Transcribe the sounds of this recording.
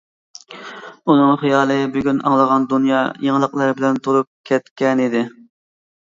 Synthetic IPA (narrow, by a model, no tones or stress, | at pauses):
unɨŋχijɑːlˠɨbyɡʲynɑ̰ŋlˠəʁɑnd̪unjɑːjeŋlˠəqlˠɑɾbɪlɛnt̪ʰuɾup̚kʲʰɛt̪kʲɛnid̪ɪ